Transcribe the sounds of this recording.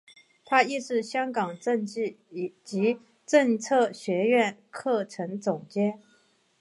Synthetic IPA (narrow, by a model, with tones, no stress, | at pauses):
t̪ʰa˥i˥˧ʂɻ̩˥˩ɕjɑ˥ŋkɑ˨˩ŋʈ͡ʂɤ˥˧ŋt͡ɕi˥˩˨ | t͡ɕi˧˥ | ʈ͡ʂɤ˥˧ŋt͡sʰɤ˥˩ɕɥɛ˧˥ɥɛ˥˩nkʰɤ˥˩ʈ͡ʂʰɤ˧˥ŋt͡sʊ˨˩ŋt͡ɕjɛ˥